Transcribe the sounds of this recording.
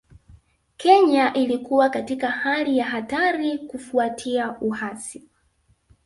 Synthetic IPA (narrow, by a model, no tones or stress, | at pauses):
kɛɲaʔilikuwakatikahalijaɦataɾikufuatʰiauhasi